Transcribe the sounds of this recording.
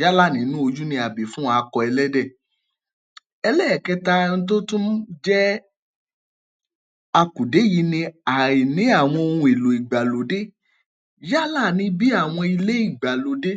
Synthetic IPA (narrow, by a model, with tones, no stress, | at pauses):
ja˦la˦˨nĩ˨˦nũ˦o˧d͡ʒu˦nĩ˧a˨bi˨fũ˦a˧kɔ˧ɛ˧lɛ˦dɛ˦˨ | ɛ˧lɛ˦˨kɛ˧ta˧ñ̩˧t̬o˦tũ˦d͡ʒɛ˦ | a˧ku˨de˨˦ji˧˦nĩ˧a˨i˨nĩ˨˦a˦˨w̃ɔ̃˧o˧ũ˧e˨lo˨i˨ɡ͡ba˨lo˨de˦ | ja˦la˦˨nĩ˧˦bi˦a˦˨w̃ɔ̃˧i˧le˦i˦˨ɡ͡ba˨lo˨de˦